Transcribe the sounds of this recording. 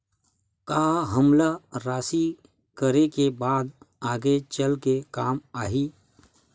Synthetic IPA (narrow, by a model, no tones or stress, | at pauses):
kaːɦəmlaɾaːsi | kəɾekebaːd̪ | aːɡet͡ʃəlkekaːmaːɦiː